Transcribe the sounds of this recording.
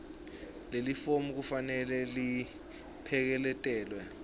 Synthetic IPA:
lelifomuk̬ufanɛlɛli | pʰɛk̬ɛlɛtʼɛːlwɛ

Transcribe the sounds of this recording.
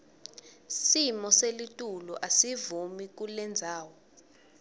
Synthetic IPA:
simɔselitʼulɔʔasivumik̬ulɛnd͡zʱaːwɔ

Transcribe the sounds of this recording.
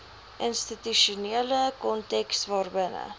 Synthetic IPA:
ʔənstityʃuniələkɔntɛksvɑːrbənə̰

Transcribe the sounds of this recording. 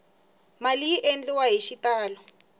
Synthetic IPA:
maliʔend͡ɮiwaɦiʃitaːlɔ

